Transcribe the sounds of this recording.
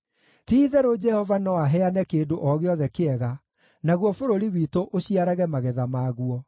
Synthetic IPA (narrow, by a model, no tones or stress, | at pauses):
tiːðɛɾod͡ʒɛhɔvanɔwaɦɛanɛkeːndoʔɔɣeɔðɛkeɛɣa | naɣwɔfoɾoɾiwiːtoʔoɕiaɾaɣɛmaɣɛðamaːɣuɔ